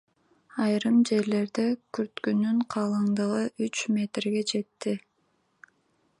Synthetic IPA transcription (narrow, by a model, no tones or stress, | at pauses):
ɑjɾɯmd͡ʒe̞ɾle̞ɾd̪ekyɾt̪kynyɴqʰɑːlˠɯɴd̪ɯʁɯʔyt͡ʃmʲe̞t̪rɡe̞d͡ʒe̞t̪ːi